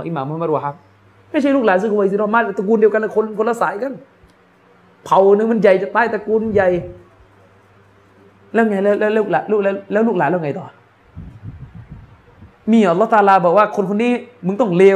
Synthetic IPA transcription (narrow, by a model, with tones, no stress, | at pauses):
ʔi˧˩maː˨˦mː˧mːa˧˥˩wa˧ɦa˦˩k̚ | ma˥˩jʰa˥˩luː˥˩klaː˨˦nsɯː˧˩ko˧wa˧˨˧si˧˦ɔː˧˩maː˧˩a˧˩t̪a˧˩kuː˧ndi˧wka˧lɛ˧˩kʰnkʰo˧nla˧˩saː˨˦jka˧˨n | pʰa˨˦wnːɯ˧ma˧˥nja˨˩jt͡ɕa˨˩t̪aː˧˥˩jt̪a˨˧˩kuː˧nja˨˩j | lɛː˦˥˩ŋa˧jlɛː˦˧˥lɛː˦˥lːk̚laː˨˦luː˥˩k̚lɛː˧˥lɛː˦˥wluː˥˩k̚laː˨˦lɛː˧˩˨ŋa˧˩jt̪ɔː˨˩ | miː˧˩ʔa˧lːɔ˦˥˩t̪aː˧laː˧bɔː˨˩k̚waː˥˩kʰo˧nkʰo˧nːiː˦˥˩mɯ˧ŋt̪ɔ˥˩ŋleː˧